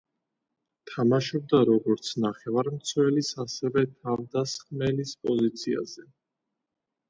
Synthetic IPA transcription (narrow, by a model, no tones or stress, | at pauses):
t̪ʰamaʃɔb̚d̪aɾɔɡɔɾt̪sʰnaχɛvaɾmt̪sʰwɛlisasɛvɛt̪ʰavd̪asχmɛlispʼɔzit̪sʰia̰z̥ɛ